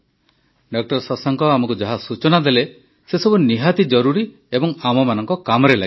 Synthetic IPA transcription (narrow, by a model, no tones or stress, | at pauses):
ɖɔk̚ʈɔɾsɔsaŋkɔamɔkud͡ʒaɦasut͡ʃɔnad̪ele | sesɔbuniɦat̪id͡ʒɔɾuɾi | ebɔŋamɔmanɔŋkɔkamɔɾela